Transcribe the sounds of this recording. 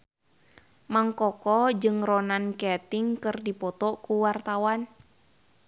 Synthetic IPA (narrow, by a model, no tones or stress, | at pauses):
maŋkɔkɔd͡ʒɨŋrɔnankɛt̪ɪŋkɨrdipɔt̪ɔkuwart̪awan